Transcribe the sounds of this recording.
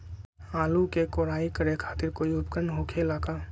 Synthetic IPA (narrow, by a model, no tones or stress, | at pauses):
aːlukekoːɾaːikəɾekʰaːt̪ɪɾkoːiʊpkɾənɦokʰelaːkaː